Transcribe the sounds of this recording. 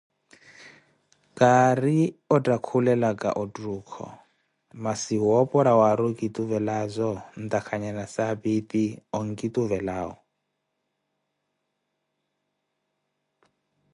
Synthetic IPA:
kʼaɾiɔtʼakʰulɛlakʼa̰ʔɔtʼruːkʰɔ̰ | masiɔpʼɔɾawaɾukʼit̪ʼuvɛlazʷɔn̩t̪ʼakʰaɲanasabit̪ʼiɔŋ̩kʼit̪ʼuvɛlaːɦɔ̰

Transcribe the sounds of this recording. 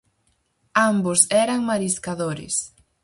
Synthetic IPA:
ambosɛɾɐŋmaɾiskaðoɾɪ̰s

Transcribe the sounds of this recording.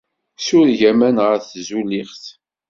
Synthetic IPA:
sʊɾʝæmænʁəɾθzuliχθ

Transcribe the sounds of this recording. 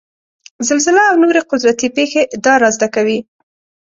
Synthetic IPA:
zalzɪlaːwnoɾeqʊd̪ɾat̪ipexed̪ɑɾɑzd̪akawi

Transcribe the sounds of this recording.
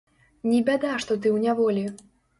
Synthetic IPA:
nʲibʲad̪aʂt̪ɔt̪̬ɨwnʲavɔlʲi

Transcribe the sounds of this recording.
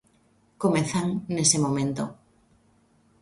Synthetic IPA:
komeθaŋnesemomẽnt̪o

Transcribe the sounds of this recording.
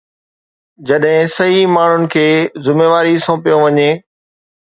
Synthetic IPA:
d͡ʑɐɗɦɪ̃sɐɦimaːɳ̤ʊnɪ̆kʰeːzɪmeːʋaːɾisõːpijõʋɐɲeː

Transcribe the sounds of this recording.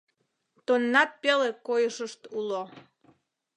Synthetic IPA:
t̪onːɑt̪̚pelekojəʃəʃt̪ulo

